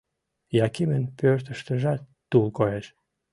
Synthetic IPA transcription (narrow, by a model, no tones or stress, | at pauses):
jɑkimənpørt̪ə̆ʃt̪ə̆ʒæt̪ːulkoeʃ